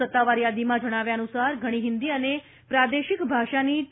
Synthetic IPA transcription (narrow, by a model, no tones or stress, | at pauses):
ət̪ːaʋaɾjad̪imãd͡ʒəɽ̃aʋjaənusaɾɡʱəɽ̃iɦɪnd̪iəne | pɾad̪eʃikbʱaʃani